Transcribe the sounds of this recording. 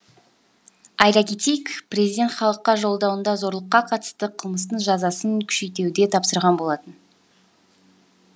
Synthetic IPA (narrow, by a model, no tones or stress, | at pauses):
ɑjɾɑkʲʰe̞t̪ejkprezijd̪ʲe̞nt̪χɑlˠəqːɑʒo̞lˠd̪ɑwənd̪ɑzo̞ɾlˠəqːɑqʰɑt̪ə̥st̪əqʰəlˠməst̪əɴʒɑzɑsəŋkʲʰʏ̥ʃe̞jt̪e̞wd̪e̞t̪ʰɑpsəɾʁɑnbo̞lˠɑt̪ən